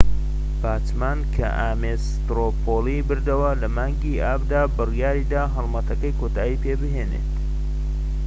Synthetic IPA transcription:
baːt͡ʃmaːnkʰɐ̰ʔaːmes | t̪ɾopʰolibɨɾd̪ɐwɐlɐmaːŋɡiʔaːbd̪aːbɨrjaːɾid̪aːɦɐlˠmɐt̪ɐkɐjkʰoːt̪aːjiːpeːbɨɦeːnḛt̪

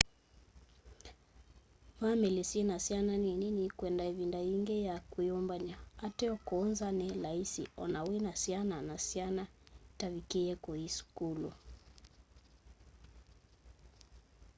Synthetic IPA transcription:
vamɛlisiɛnasiananɛninikwɛndaivindaiŋɡɛjakujɔmbaɲaatɛɔkɔnzanɛlaisḭɔ̰nawinasiananasianatavikɛɛkɔisu̥kulṵ

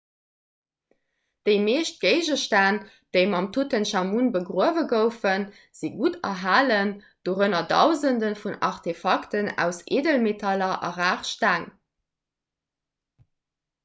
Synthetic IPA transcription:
d̥əɪmeːʃt̚ɡ̥əɪʒəʃtaːn | d̥əɪmɑmtʰutənʃɑmunbəɡʁuəvəɡəʊfən | z̥iɡutɐ̰ɦaːlən | d̥oʁənɐdɑʊzəndənfunɑʁtʰefɑktənæ̰ʊseːdəlmetʰɑlɐʔɑ̰ʁaːχʃtæːŋ

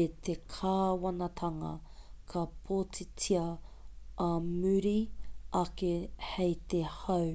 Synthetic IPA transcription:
et̪ʰekʰaːwɐnɐt̪ʰɐŋɐ̰kʰɐpʰoːt͡sit͡siɐ | ɐmʉɾiɐkehejt̪ehɐw

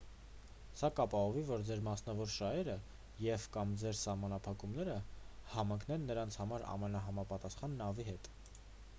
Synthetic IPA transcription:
sɑkɑpɑɦɔvivɔɾd͡zɛɾmɑsnɑvɔɾʃɑɦɛɾə | jɛvkɑmd͡zɛɾsɑhmɑnɑpʰɑkumnɛɾəhɑmɑŋkʰnɛnːəɾɑnt͡sʰhɑmɑɾɑ̰mɛnɑɦɑmɑpɑt̪ɑsχɑnːɑviɦɛt̪

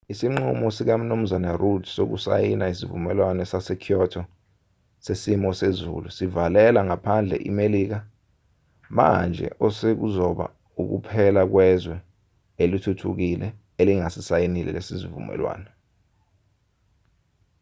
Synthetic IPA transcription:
isiŋ͡ǃṵmɔsik̬am̩num̩zanarudsok̬ṵsa̰jinaisivṵmɛlwanɛsasɛkʰjɔtʰɔ | sesimɔsezṵlusivalɛlaŋapʰand͡ɮʱɛ̰ʔḭmeliːk̬a | ma̰nd͡ʒʱɛ̰ʔɔsek̬uzɔɓa̰ | uk̬ṵpʰɛlak̬wɛzwɛ | elitʰutʰuk̬ilɛ | eliŋasisajinilɛ̰lesizivṵmɛ̰lwa̰ːnɛ

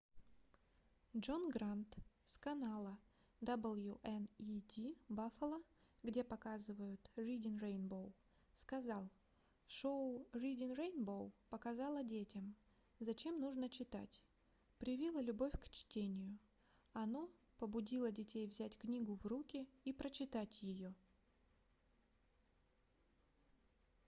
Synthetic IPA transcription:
dʐo̞nɡɾant̪skɐnalˠə | d̪abɨlˠjuʔɛnidʲibafəlˠəɡdʲe̞pɐkazɨvəjʊt̪rʲidʲɪnrejnbow | skɐzɑlˠ | ʂoʊrʲidʲɪnrejnbowpəkɐzɑlˠədʲetʲɪm | zɐt͡ɕe̞mnuʐnət͡ɕɪt̪a̰tʲ | pɾʲɪvʲilˠəlʲʊbo̞fʲkt͡ɕtʲenʲɪjʊ | ɐno | pəbʊdʲilˠədʲɪtʲejvzʲætʲknʲiɡʊvrukʲɪipɾət͡ɕɪt̪atʲjɪjo

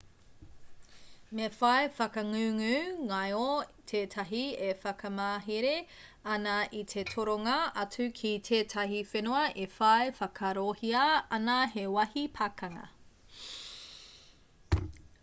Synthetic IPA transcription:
mefɐefɐkɐŋʉŋʉŋajotʰeːtʰɐɦiefɐkʰɐmaːɦeɾe | ɐnɐʔitʰetʰoɾoŋɐɐt͡sʉkʰitʰeːtʰɐɦifenoɐʔefɐefɐkʰɐɾohiɐɐnɐɦewɐhipʰakɐŋɐ̰

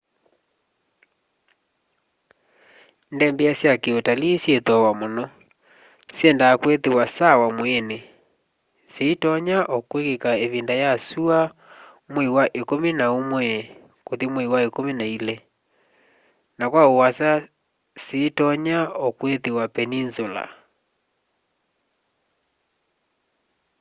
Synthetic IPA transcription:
ndɛmbɛasjakeotalisjetwawamonɔ | sjɛndaːkwetewasawamwene | seitɔɲaʔɔkwekekaeβindajasua | mwɛiwaʔekomenaomwɛ | kotimwɛiwaekomenailɛ | nakwaowasa | seːtɔɲaɔkwetewapɛninsola̰

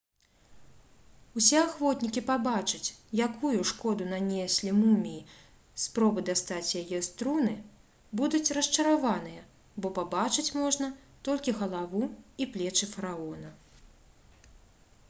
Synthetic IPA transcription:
usʲɛaxvɔt̪nʲikʲipabat͡ʂɨt͡sʲjakujuʂkɔd̪unanʲɛsʲlʲimumʲiː | spɾɔbɨd̪ast̪at͡sʲjajɛst̪ɾunɨ | bud̪ut͡sʲrɐst͡ʂɐɾavanɨjɐ | bɔpabat͡ʂɨt͡sʲmɔʐnɐ | t̪ɔlʲkʲiɣɐlˠavuiplʲɛt͡ʂɨfɐɾaɔnɐ

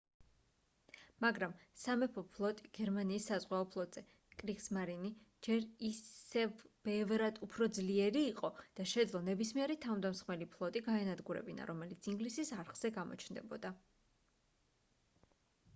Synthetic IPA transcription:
maɡɾamsamɛpʰɔpʰlˠɔt̪ʼiɡ̥ɛɾmaniːsːazʁwaɔpʰlˠɔt̪ʼz̥ɛ | kʼɾiksmaɾini | d͡ʒɛɾiɛvb̥ɛvɾad̪upʰɾɔd̪zliɛɾiːqʼɔd̪̥aʃɛd̪zlˠɔnɛbismiɛɾit̪ʰamd̪amsχmɛlipʰlˠɔt̪ʼiɡaɛnad̪ɡuɾɛ̰bina̰ɾɔmɛlit̪sʰiŋɡlisisaɾχz̥ɛɡamɔ̰t͡ʃʰnd̪ɛbɔ̰d̪a

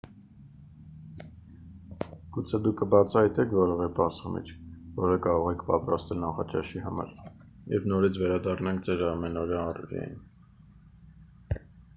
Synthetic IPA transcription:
ɡ̥ut͡sʰɛd̪ukʰːəbɑt͡sʰɑhɑjt̪ɛkʰvɔɾɔvɛbɑɾsmḭt͡ʃʰvɔɾəkɑɾɔʁɛkʰpɑ̰t̪rɑst̪ɛlnɑχɑt͡ʃɑ̰ʃihɑmɑ̰ɾ | jɛ̰vnɔɾit͡sʰvɛɾɑd̪ɑrnɑŋk̚ʰd͡zɛɾɑmɛnɔɾjɑːrɛ̰ɾɑ̰jḭn

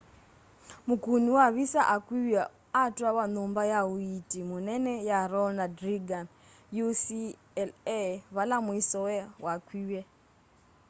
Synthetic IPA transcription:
mukuniwaβisaʔakwiwɛ | atuaβanumbajawuitʼimunɛnɛjaɾɔnadɾiɡan | jusi | lβalamuisɔwɛwakʰwiwɛ

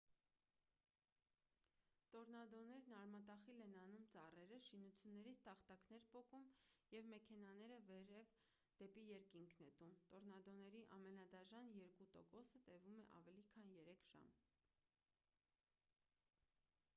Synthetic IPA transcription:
t̪ɔɾnɑd̪ɔnɛɾnɑɾmɑt̪ɑχilɛnɑnumt͡sɑrɛɾəʃinut͡sʰjunːɛɾit͡sʰt̪ɑχt̪ɑknɛɾpɔkumjɛvmɛkʰɛnɑnɛɾəvɛɾɛv | d̪̥ɛpijɛɾkiŋkʰnɛt̪umt̪ɔɾnɑd̪ɔnɛɾiʔɑmɛnɑd̪ɑʒɑnjɛɾkut̪ɔ̰kɔsət̪ɛvumɛʔɑ̰vɛlikʰɑnjɛɾɛkʰʒ̥ɑ̰m

